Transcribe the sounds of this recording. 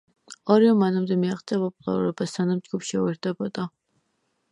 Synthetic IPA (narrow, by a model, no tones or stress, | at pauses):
ɔɾiɔmanamd̪ɛmiaqʼt̪sʼiapʼɔpʼulˠa̰ɾuɾɛbasanamd͡ʒɡupʃɛɛɾd̪̥ɛbɔd̪̥a